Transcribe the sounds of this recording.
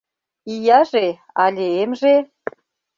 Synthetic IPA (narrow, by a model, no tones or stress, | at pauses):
ijɑʒe | ɑlʲeemʒe